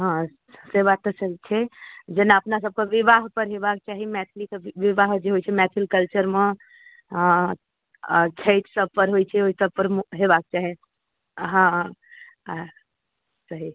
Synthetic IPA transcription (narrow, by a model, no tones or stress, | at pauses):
ɦã | sebat̪ːəsəɦt͡ʃʰɛd͡ʒenaəpnas̬əb̚kəʋibaɦpəɾɦebakt͡ʃaɦimɛt̪ʰlisəʋiʋaɦd͡ʒeɦojt͡ʃʰɛmɛt̪ʰilkəlt͡ʃəɾme | kʰejʈsəb̚pəɾɦojt͡ʃʰɛoisəb̚pəɾmɦebak̚t͡ʃaɦi | ɦã | səɦi